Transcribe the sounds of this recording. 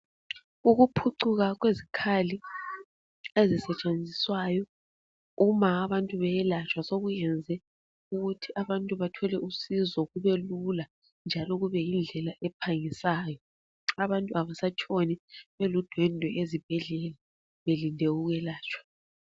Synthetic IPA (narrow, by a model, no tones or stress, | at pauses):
uɣupʰuǀuɣaɣwezikʰali | ezisɛt͡ʃʼend͡zʱiswajɔ | umaːβantʼuβɛjlat͡ʃʰʼwasoɣujɛnd͡zʱɛ | uɣutʰiʔaβantʼuβatʰɔlɛʔusizɔɣuβɛlula | nd͡ʒʱalɔɣuβɛjind͡ɮʱɛlaʔɛpʰaŋisaːjɔ | aβantʼuaβasat͡ʃʰʼoniβelud̥ʱwɛndʱɔʔezib̥ʱɛɮɛːla | βelindʱeuɣɛlaːt͡ʃʰʼwḁ